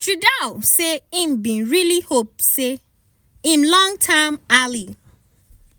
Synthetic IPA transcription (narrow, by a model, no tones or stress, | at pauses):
tudaʊseĩmbĩnɹilihop̚se | ĩmlɔ̃ŋtʰãɪmali